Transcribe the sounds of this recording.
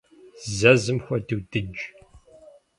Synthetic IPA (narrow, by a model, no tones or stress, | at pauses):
zɐzɨmxʷɐdɨwd̥ɨd͡ʒ